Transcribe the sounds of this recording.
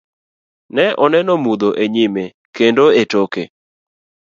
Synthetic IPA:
nɛʔɔnɛnɔmud̪oʔeɲime | kendoetokḛ

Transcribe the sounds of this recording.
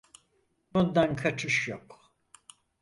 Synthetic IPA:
ond̪ankʰat͡ʃʰɯʃjok

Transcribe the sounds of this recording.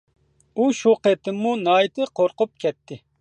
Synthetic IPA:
uʃuqet̪ɪmːunɑːjt̪ʰɨqʰoɾqʊp̚kʲʰɛt̪ʰːɪ

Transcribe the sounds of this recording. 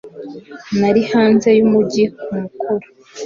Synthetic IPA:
naɾihaːnze̞jumuɟikumukuɾu̥

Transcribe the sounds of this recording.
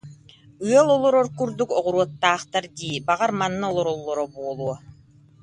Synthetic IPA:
ɯɐlˠɔlˠɔɾɔɾkyɾd̪ykɔʁuɾuɔt̪ːaːχt̪aɾd̪iːbaʁaɾmanːɯɔlˠɔɾɔlˠːɔɾɔbuɔlˠuɔ

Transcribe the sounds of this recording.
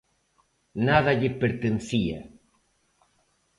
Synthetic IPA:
naðaʎepeɾt̪enθia̰

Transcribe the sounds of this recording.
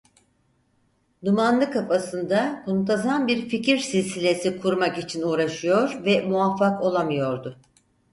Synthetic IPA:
d̪umanlˠɯkʰafasɯnd̪amunt̪ʰazanbiɾficiɾsilʲsilʲe̞sikʰuɾmakit͡ʃʰinuːɾaʃɯjo̞ɾvɛmuafːako̞lˠamɯjo̞ɾd̪ʊ

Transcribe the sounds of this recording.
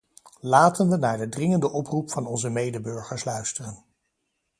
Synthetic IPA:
laːtənʋənaːɹdədrɪŋəndəʔɔprupfɑnɔnzəmejdəbɵɹχəɹslœɥstərən

